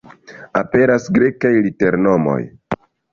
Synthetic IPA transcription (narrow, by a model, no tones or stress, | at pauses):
ape̞ɾasɡɾe̞kajlite̞ɾno̞mo̞̰j